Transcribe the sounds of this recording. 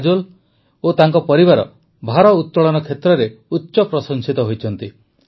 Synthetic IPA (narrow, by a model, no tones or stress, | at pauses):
d͡ʒul | ot̪aŋkɔpɔɾiβaɾɔ̰ | bʱaɾɔut̪ːɔɭɔnɔkʰet̪ɾɔɾeutːʃɔpɾɔsɔŋsit̪ɔɦojt͡ʃʰɔnt̪i